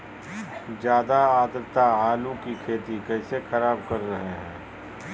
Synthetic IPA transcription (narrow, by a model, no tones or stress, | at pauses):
d͡ʒjaːd̪aaːd̪ɾt̪aaːlũkikʰeːt̪ikɛːsexɐɾaːbkɐɾːɐɦeɦɛ̰̃ː